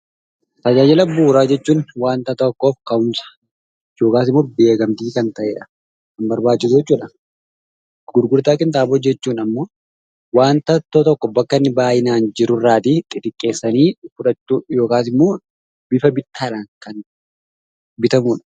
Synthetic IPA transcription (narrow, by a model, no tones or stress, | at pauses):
t̪ɐd͡ʒaːd͡ʒɛlɐbuːɾaːd͡ʒɛt͡ʃːuːnwaːnt̪ɐt̪ɐkːo̞ːfkɐʊmsɐ̥ | jo̞ːkaːsɪmːo̞ːbe̞ːɡɐmt̪iːkɐnt̪ɐʔeːᶑɐ̥ | kɐmbɐɾbaːt͡ʃːɪsʊd͡ʒɛt͡ʃːuːᶑɐ | ɡ̥ʊɾɡʊɾt̪aːkʼɪnt̪aːboːd͡ʒɛt͡ʃːuːnɐmːo̞ː | waːnt̪ɐt̪ːot̪ɔkːɔbɐkːɐnːɪbaːjɪnaːnd͡ʒɪɾʊrːaːt̪it̪ʼɪt̪ɪkʼːe̞ːsːɐniːfʊᶑɐtːujo̞ːkaːsɪmːo̞ː | b̥ɪfɐbɪt̪ːaːᶑaːŋkɐn | bɪt̪ɐmuːᶑɐ̥